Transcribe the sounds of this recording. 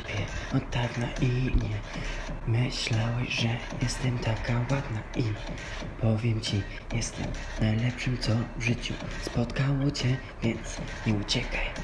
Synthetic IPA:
pʲjɛɔt̪t̪aɾnaʔiɲɛ | mɘɕlawɛɕʐɛjɛst̪ɛmt̪ʰakawad̪naʔi | pʰɔvʲjɛmt͡ɕi | jɛst̪ɛ̰mnajlɛpʂɘmt̪sɔvʐɘt͡ɕṵspɔt̪kawɔt͡ɕɛ | vʲjɛnt̪sɲɛut͡ɕɛkʰaj

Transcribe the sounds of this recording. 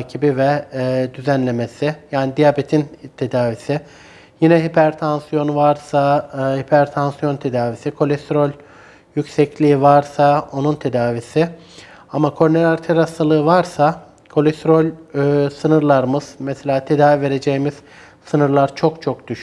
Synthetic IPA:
cʰibivɛd̪yzænlʲe̞me̞sɪjaːnid̪ijabet̪ʰint̪ʰe̞d̪aːvisɪ | jinɛɦipʰæɾt̪ʰansijo̞nvaɾsahipʰæɾt̪ʰansjo̞nt̪ʰe̞d̪aːvisikʰo̞lʲɛst̪ɾo̞lʲ | jycsɛclʲiːivaɾsao̞nunt̪ʰe̞d̪aːvisiɪ | amakʰo̞ɾneɾʲaɾt̪ʰeɾast̪ʰalˠɯɯvaɾsa | kʰo̞lʲɛst̪ɾo̞lʲsɯnɯɾlˠaɾmɯz̥mɛselʲaːt̪ʰe̞d̪aːvive̞ɾe̞d͡ʒejimiz̥ | sɯnɯɾlˠaɾt͡ʃʰo̞kt͡ʃʰo̞k̚d̪̥yʃ

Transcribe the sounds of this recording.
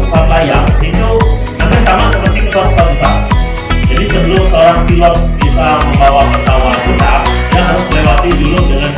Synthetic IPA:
əsaat̪̚lajaŋit̪u | akasamasəpərt̪ikəsat̪pəsat̪̚bəsa̰ʔa̰t̪̚ | d͡ʒadisəbəlʊmsəoɾaŋfilɔt̪̚bisaaməmbawapəsawakəsaʔat̪̚ | jaŋɦaɾʊsdilewat̪idulʊdəŋan

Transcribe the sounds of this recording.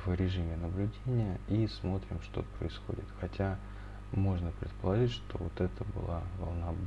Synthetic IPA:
v̥ɾʲɪʐɨmʲɪnəblʲʉdʲenʲɪjəismo̞t̪ɾʲɪmʂt̪o̞̰pɾəɪsxo̞̰dʲɪt̪xɐtʲa | mo̞ʐnəpɾʲɪt̪̚pəlˠɐʐɨtʲʂt̪o̞̰vot̪ɛt̪əbɨ̰lˠavɐ̰lˠna

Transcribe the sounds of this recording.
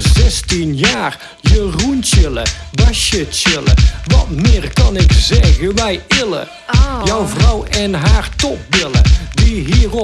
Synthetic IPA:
zɛstinjaːr | jəruntɪlə̰basətt͡ʃɪlə̰ʋɑ̰tmɪːrkɑnɪkzɛɣəʋɛjɪlə̰ | jɔwvrɔwɛnɦaːrtɔp̚bɪlˠə̰diɦiːr

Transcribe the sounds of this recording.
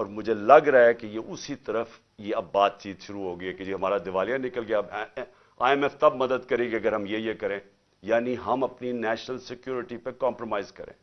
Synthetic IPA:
ɔːɾmʊd͡ʒʱelɐɡɾɐaɛkejeʔʊsit̪ɐɾəf | jeɐbːaːt̪t͡ʃiːt̪ʃʊɾuɦoːɡɐiɛked͡ʒiːɦɐmaːɾad̪ɪʋaːlijanɪkəlɡɪjab | a̰ːɛmɛft̪ɐbmɐd̪əd̪kɐɾẽːkeɐɡəɾɦɐmjejekɐɾẽː | jaːniɦɐmɐpninɛːʃnəlsɪkjuːɾɪʈipekãːmpɾomaːɪzkɐɾḛ̃ː

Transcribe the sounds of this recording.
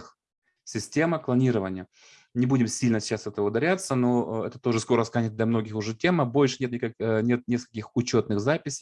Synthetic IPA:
x | sʲɪsʲtʲe̞məklˠɐnʲiɾəvənʲɪjə | nʲɪbudʲɪmsʲilʲnəsʲɪt͡ɕːasɛt̪əvəʊd̪ɐɾʲat̪sənoɛ̰t̪ət̪o̞ʐɨsko̞ɾəskanʲɪt̚d̪lʲɐmno̞ɡʲɪxʊʐɛtʲe̞məbo̞lʲʂɨnʲet̪nʲɪkɐnʲe̞t̪̚nʲeskə̥lʲkʲɪxʊt͡ɕo̞t̪nɨxzapʲɪsʲɪjj

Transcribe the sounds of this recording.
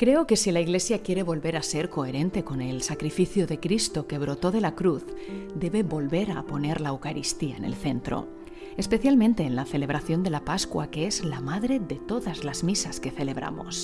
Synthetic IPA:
kɾe̞oke̞silaiɣle̞sjakje̞ɾe̞βo̞lβe̞ɾase̞ɾko̞e̞ɾe̞nt̪e̞ko̞ne̞lsakɾifiθjoðe̞kɾist̪o̞ke̞β̞ɾo̞t̪o̞ðe̞lakɾuθd̪e̞βe̞βo̞lβe̞ɾa̰po̞ne̞ɾlaewkaɾist̪ia̰ene̞̰lθe̞nt̪ɾo̰ | espe̞θjalmẽnt̪e̞ːnlaθe̞le̞β̞ɾaθjo̞nd̪e̞lapaskwa̰keezlamaðɾe̞ðe̞t̪o̞ðazlazmisaske̞θe̞le̞βɾa̰mo̞̰s

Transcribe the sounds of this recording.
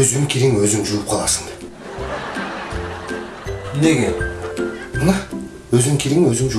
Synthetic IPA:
ɵzɪŋkʲʰeɾɪŋwɵzɪŋʒuwəp̚qʰɑlˠɑsəɴ | ne̞ɡʲe̞ | bənɑ | wɵzɪŋkʲʰelʲeŋwɵzɪŋʒu

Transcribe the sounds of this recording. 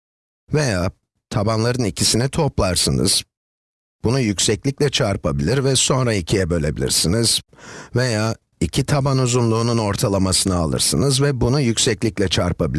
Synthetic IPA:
ve̞jaː | t̪ʰabanlˠaɾɯnicʰisinit̪ʰo̞plˠaɾsɯnɯ̰z̥ | b̥unujycʲsɛclʲicʲlʲɛt͡ʃʰaɾpʰabilʲiɾvɛso̞nɾaicʰijɛbø̞lʲe̞bilʲḭɾsiniz̥ve̞jaː | icʰit̪ʰabanuzunlˠuːnuno̞ɾt̪ʰalˠamasɯnɯalˠɯ̰ɾsɯnɯzvɛbunujycsɛclʲiclʲɛt͡ʃʰaɾpʰabilʲ

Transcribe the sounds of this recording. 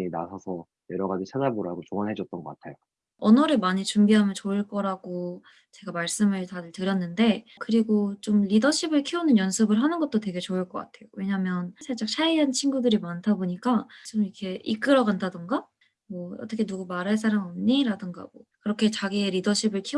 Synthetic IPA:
ina̰sʰʌsʰʌ | jʌɾʌɡad͡ʑisʰanaboɾaɡot͡ɕoʌnɦed͡ʑʌt̚t͈ʌnŋɡʌk͈atʰejo | ʌnʌɾɯɭmaɲit͡ɕumbiɦamjʌnt͡ɕoiɭk͈ʌɾaɡo | t͡ɕe̞ɡamaɭs͈ɯmɯɭtadɯɭtɯɾjʌnːɯnde̞ | kɯɾiɡot͡ɕomɾidʌɕʰibɯɭkʰionɯnjʌnsʰɯbɯɭɦanɯnɡʌt̚t͈ote̞ɡe̞t͡ɕoɯɭk͈ʌk͈a̰tʰe̞jowe̞ɲamjʌnsʰaɭt͡ɕ͈ak̚t͡ɕʰaiɦant͡ɕʰinɡudɯɾimantʰaboɲik͈at͡ɕomikʰe̞ik͈ɯɾʌɡantʰadɯŋɡa | mʌʌ̰t͈ʌkʰe̞nuɡumaɾaɭs̬͈ʰaɾaŋʌmɲiɾadɯŋɡa̰mʌkɯɾʌkʰe̞t͡ɕaɡieɾidʌɕʰibɯɭkʰi

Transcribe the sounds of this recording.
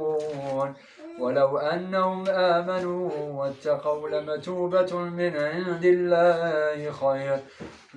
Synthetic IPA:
n | walawʔanːahʊmʔaːmanuːwat̪ːɑqɑwlamat̪uːbamɪnʕɪnd̪ɪlːaːhɪxɑjɾ

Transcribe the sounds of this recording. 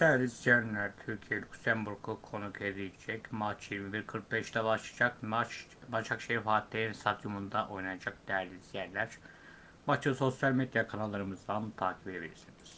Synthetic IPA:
sʰɛɾlizænlʲæɾt̪ʰyɾcʰijɛlʲuksæmbuɾkʰukʰo̞nukʰed̪ijd͡ʒɛcmat͡ʃʰjiɾmibiɾkʰɯɾk̚bɛʃt̪ɛbaʃakat͡ʃ | bat͡ʃʰakʃeɾifaːt̪ʰːʲeɾinsad̪jumund̪aʔo̞jnajad͡ʒak̚d̪ɛjæɾlʲizjæɾlʲæɾ̥ | bat͡ʃso̞sjalʲmed̪jakʰanalˠːaɾɯmɯzd̪ant̪ʰaːcʰipeebilʲḭɾsiniz̥

